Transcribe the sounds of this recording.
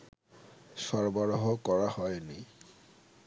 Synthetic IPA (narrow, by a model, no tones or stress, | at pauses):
sɔɹbɔɹɔɦɔkɔɹahɔjni